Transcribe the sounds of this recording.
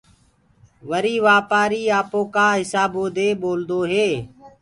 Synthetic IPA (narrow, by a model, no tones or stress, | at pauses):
ʋəɾiːʋaːpaːɾiːaːpõːkaːɦɪsaːboːd̪eːɓoːld̪oːɦeː